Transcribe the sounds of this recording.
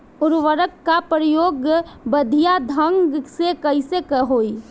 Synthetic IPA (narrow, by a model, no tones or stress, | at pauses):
ʊɾʋəɾəkːapɾəjoːɡbəd̪ʱijad̪ʱə̃ŋɡsekəɪsekəɦoːi